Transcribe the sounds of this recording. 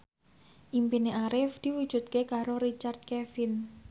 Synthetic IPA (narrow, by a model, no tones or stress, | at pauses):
ʔimpineʔaɾɪfd̪̥i̤wu̥ʒ̥ṳt̪̚kekaɾoɾit͡ʃard̪t̪̚kefɪn